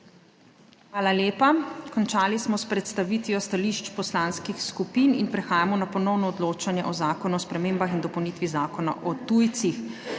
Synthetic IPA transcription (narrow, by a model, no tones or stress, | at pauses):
xʋaːlaljeːpakɔnt͡ʃaːlismɔspɾɛt̪st̪aʋiːt̪ʋjɔst̪aliʃt͡ʃpɔslaːnskixskupiːninpɾɛxaːjamɔnapɔnɔwnɔːd̪loːt͡ʃanjɛʔɔzaːkɔnuɔspɾɛmeːmbaxind̪ɔpɔwnit̪ʋizaːkɔna̰ʔɔt̪ujt̪six